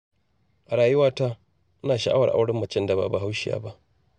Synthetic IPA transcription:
ʔa˨ɽaː˨jʊ˦waː˦ta˦ | naː˨ʃa˨ʔa˦wɐ˨ʔa̰˦wɽɐ˦mːɐ˨t͡ʃɛ˦nda˨ba̰˨ba˨ɦa˦wʃɪ˨ja̰ː˨˦ba˦ʔ

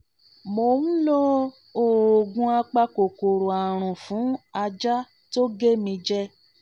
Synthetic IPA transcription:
mo˧nũ˦lɔ˦ | o˦˨o˨ɡũ˧˦a˧k͡pa˧ko˨ko˨ɾo˨a˨ɾ̃ũ˨fũ˨˦a˧d͡ʒa˦ | to˦ɡe˦mĩ˧d͡ʒɛ˦

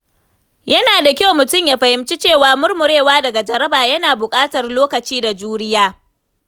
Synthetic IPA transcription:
jɐ˦naː˨da˨kʲa˦wmʊ˨tʊ˦˨mjaː˨ɸɐ˨hɪ˨˦mt͡ʃi˦t͡ʃeː˦˨waː˨mʊ˦rmʊ˨ɽeː˦˨waː˦dɐ˨ɡa˨d͡ʒɐ˦ɾɐ˦baː˨jɐ˦naː˨bʊ˨kʼaː˦tɐ˨rloː˦kɐ˨t͡ʃiː˦da˨d͡ʒuː˦ɾɪ˦jaː˦

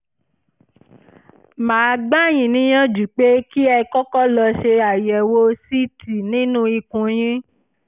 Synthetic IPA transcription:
mãː˨˦˧ɡ͡ba˦˨j̃ĩ˨nĩ˦j̃ã˦d͡ʒu˨k͡pe˦ki˦ɛ˧kɔ˦kɔ˦lɔ˧ʃe˧a˨jɛ˨wo˦si˦ti˨nĩ˦nũ˦i˧kũ˧j̃ĩ˦

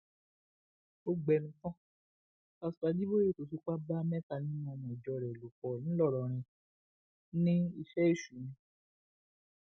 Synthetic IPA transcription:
o˧ɡ͡bɛ˧˨nũ˧˦kɔ̃˦ | a˧su̥˨a˧˦di˦bo˦je˦˨to˨˧si˦k͡pa˦ba˦mɛ̃˦ta˧˨nĩ˨˦mɔ̃˧mɔ̃˨d͡ʒɔ˧˨ɾɛ˨lo˨k͡pɔ˨nĩ˨˦lɔ˦˨ɾɔ˨ɾ̃ĩ˧ | nĩ˦i˧ʃɛ˦e˦˨ʃu˨nĩ˨˧

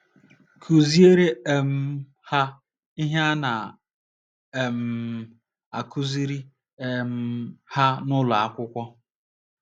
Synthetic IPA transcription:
kʰu˨zi˦e˦ɾe˦e˨m̩˦ | ha˦ | i˦ɦja˦na˨ | e˨m̩˨ | a˨kʰu˦zi˦ɾi˦ | m̩˦ha˦nʊ˦lʊ˨a˦kʷʊ˦kʷɔ˦

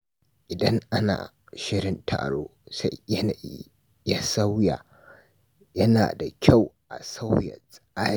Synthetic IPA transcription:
ʔɪ˨dɐ˦ŋʔa˦na̰ː˨ | ʃɪ˦ɽɪ˦ntʰa̰ː˨ɽoː˦sa˦j | ja˦sa˦wja̰˨ | jɐ˦na̰ː˨da˨kʲa˦˨wʔa̰˨sa˦wjɐ̰˨sʼʔaː˦˨

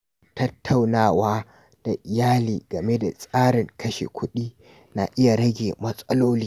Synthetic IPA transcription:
tɐ˦tʰːa˨wnaː˦˨waː˦ | d̥a˨ʔɪ˨jaː˦liː˨ɡɐ˨me˦da̰˨sʼaː˦ɽɪ˨ŋkʰɐ˦ʃḛ˨kʷʰʊ˦ɗiː˦ | na̰˨ʔɪ˦ja˨ɽɐ˦ɡʲeː˨mɐ˦sʼɐ˦loː˦liː˦

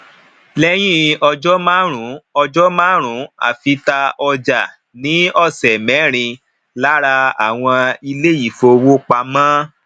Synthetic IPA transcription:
lɛ˦j̃ĩ˦ɔ˧d͡ʒɔ˦mãː˦ɾ̃ũ˨˦ɔ˧d͡ʒɔ˦mãː˦ɾ̃ũ˨˦a̰˦˨fi˧ta˧ɔ˧d͡ʒa˨ | nĩ˨˦ɔ˦˨sɛ˨mɛ̃˨˦ɾ̃ĩ˧ | la˦ɾa˧a̰˨w̃ɔ̃˧i˧le˦ji˦˨fo˧wo˦k͡pa˧mã˦

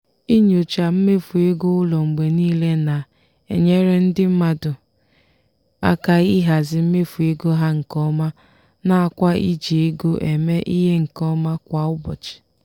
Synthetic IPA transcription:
i˦ɲ˦o˨t͡ʃa˨m̩˦me˦fu˨e˦ɡo˦ʊ˦lɔ˨ŋ͡m̩˨ɡ͡be˨niː˦le˦na˨ | ḛ˨ɲe˦ɾe˦n̩˦dɪ˦m̩˦ma˦dʊ˨ | a̰˦ka˨i˦ɦa˨zɪ˨m̩˦me˦fu˨e˦ɡo˦ɦa˦ŋ̩˨kɔ˦ma˦ | na˦a˨kʷa˦ḭ˦d͡ʒe˨e˦ɡo˦ʔe˨me˦ʔi˦ɦe˦ŋ̩˨kɔ˦ma˦kʷa˨ʊ˦bɔ̰˨t͡ʃɪ̥˨

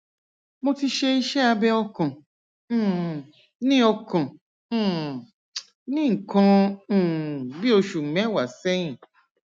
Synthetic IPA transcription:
mõ˧ti˧ʃe˧i˦ʃɛ˦a˧bɛ˦ɔ˧kɔ̃˨˦˨ | nĩ˦ɔ˧kɔ̃˨˦˨ | nĩ˦ŋ̩˨kɔ̃˧˦˨ | bi˦o˧ʃu˨mɛ̃˨˦wa˨sɛ˦jĩ˦˨

